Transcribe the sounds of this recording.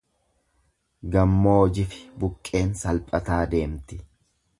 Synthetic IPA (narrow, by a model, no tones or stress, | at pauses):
ɡɐmːoːd͡ʒɪfɪ̥bʊkʼːe̞ːnsɐlpʼɐt̪aːd̪e̞ːmt̪ɪ̥